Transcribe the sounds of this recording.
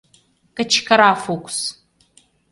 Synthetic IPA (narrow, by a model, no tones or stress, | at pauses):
kʼɨt͡ʃʰkʰɐɾaːfokʷʰʼs